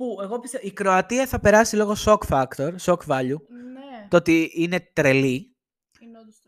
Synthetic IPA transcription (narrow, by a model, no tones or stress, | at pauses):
pue̞ɣo̞piseikɾo̞ɐt̪iɐθɐpe̞ɾɐsilo̞ɣo̞so̞kfɐkt̪o̞ɾso̞kvɐʎut̪oot̪iine̞t̪ɾe̞li